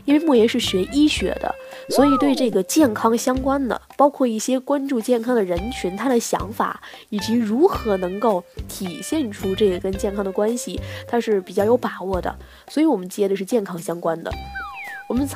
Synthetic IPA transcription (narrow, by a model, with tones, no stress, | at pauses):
i˥nwe˥˧ɪmɔ˥˩jɛ˧˥nʂɻ̩˥˩ɕɥɛ˧˥ʔi˥ɕɥɛ̰˧˥d̪ə̰˧swɔ˧˥i˨˩t̪we˥˧ɪʈ͡ʂɤ˥˩ɡə˩t͡ɕjɛ˥˩nkʰɑ˥ŋɕjɑ˥ŋkwa˥nd̪ə̰˩pɑ˥ʊkʰwɔ˥˧i˥˩ɕjɛ˥kwa˥nʈ͡ʂu˥˧t͡ɕjɛ˥˩nkʰɑ˥ŋd̪ə˨˩ɻə˧˥nt͡ɕʰy˧˥nt̪ʰa˥d̪ə˨ɕjɑ̰˧˥ŋfa̰˨˩˦i˨˩t͡ɕi˧˥ɻu˧˥xɤ˧˥nɤ˧˥ŋko˥˩ʊt̪ʰi˨˩ɕjɛ˥˩nʈ͡ʂʰu˥ʈ͡ʂɤ˥˩ɡə˩kə˥nt͡ɕjɛ˥˩nkʰɑ˥ŋd̪ə˨kwa˥nɕi˨˩t̪ʰa˥ʂɻ̩˥˩pi˨˩t͡ɕjɑ˥˩ʊjo˧˥ʊpa˨˩wɔ˥˩d̪ə̰˩ | swɔ˧˥i˧˥wɔ˨˩mə˦nt͡ɕjɛ˥d̪ə˧ʂɻ̩˥˧t͡ɕjɛ˥˩nkʰɑ˥ŋɕjɑ˥ŋkwa˥nd̪ə̰˨˩wɔ˨˩mə˦nt͡sʰ